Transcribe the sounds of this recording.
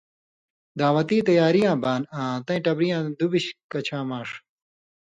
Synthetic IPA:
d̪aːʋɐt̪iːt̪ɐjaːɾijãːbaːnãːt̪ɐ̃ĩʈɐbɾijãːd̪ubiɕkɐt͡ɕʰãːmãːʂ

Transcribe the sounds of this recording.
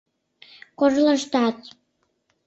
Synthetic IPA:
koʒlə̆ʃt̪ɑt͡s

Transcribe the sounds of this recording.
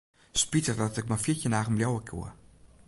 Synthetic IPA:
spitərdɔtɛk̚maficənaːɣəmbljowəkʰjṵə

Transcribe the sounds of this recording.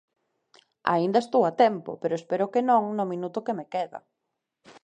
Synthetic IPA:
a̰ind̪ɐest̪owat̪ɛmpʊ̰peɾʊespeɾʊkenõŋnʊmĩnut̪ʊkemekeðɐ̰

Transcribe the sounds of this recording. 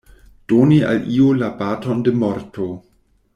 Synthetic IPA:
d̥onia̰liolabatondemoɾtʰo

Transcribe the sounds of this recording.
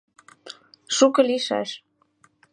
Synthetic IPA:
ʃukɤ̆liʃæ̰ʃ

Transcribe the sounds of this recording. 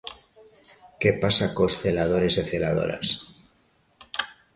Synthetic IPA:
ke̞pasakosθe̞lað̞o̞ɾe̞zeθelað̞o̰ɾa̰s

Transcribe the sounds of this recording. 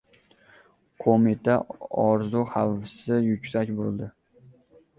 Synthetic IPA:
qʰomit̪ʰaɒɾzuhavɪsɪjʊkʲsakʲbolˠd̪ɪ

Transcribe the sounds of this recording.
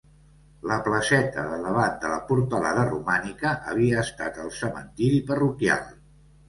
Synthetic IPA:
ləpləsɛt̪ə̰ðələβand̪ələpuɾt̪əla̰ðərumanikəʔəβ̞iəːst̪at̪əlˠsəmə̰nt̪iɾipərukja̰lˠ

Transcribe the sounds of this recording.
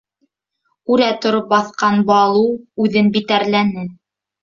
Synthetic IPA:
ʉɾæt̪ŏɾop̚bɑθqɑnbɑlˠuʉðɘnbit̪æɾlænɘ

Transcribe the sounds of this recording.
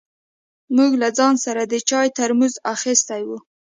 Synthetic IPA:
muɡlad͡zɑnsaɾad̪ət͡ʃɑjt̪aɾmuzaxist̪ajwu

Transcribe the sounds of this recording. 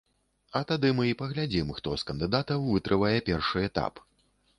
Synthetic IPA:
ɐt̪ad̪ɨmɨipɐɣlʲad͡zʲimxt̪ɔskɐnd̪ɨd̪at̪ɐwvɨt̪ɾʔɨvajɛpʲɛrʂɨɛt̪a̰p

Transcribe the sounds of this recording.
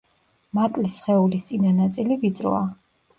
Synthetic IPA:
mat̪ʼlisχɛulist̪sʼinanat̪sʼilivit̪sʼɾɔ̰a

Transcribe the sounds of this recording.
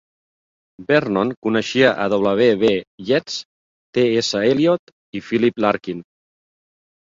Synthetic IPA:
bɛɾnɔnkunəʃiəʔəðoβləβ̞eβejɛt͡s | t̪eesəeliɔt̪ | ifiliplaɾkin

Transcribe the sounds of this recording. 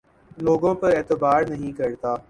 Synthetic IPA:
loːɡõːpɐɾeːt̪ɪbaːɾnɐɦĩkɐɾt̪aː

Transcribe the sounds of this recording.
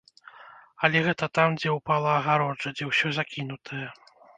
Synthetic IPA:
ɐlʲɛɣɛt̪ɐt̪amd͡zʲɛwpalˠɐːɣaɾɔd͡ʐɐd͡zʲɛwsʲɔzakʲinut̪ʰɐjɛ

